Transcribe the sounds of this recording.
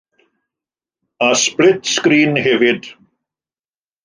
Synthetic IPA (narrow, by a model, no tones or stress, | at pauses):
asplɪt̪skɾiːnhɪvɪð